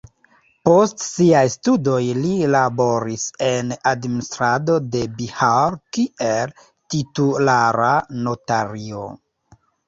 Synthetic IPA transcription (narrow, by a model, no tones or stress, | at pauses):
po̞stsiajstudo̞jlilabo̞ɾise̞nadministɾado̞de̞bihaɾkiel | titulaɾano̞taɾio̰